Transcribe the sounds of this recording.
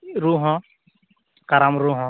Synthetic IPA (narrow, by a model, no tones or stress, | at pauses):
ɾuɦɔ̃ | kaɾamɾuɦɔ̃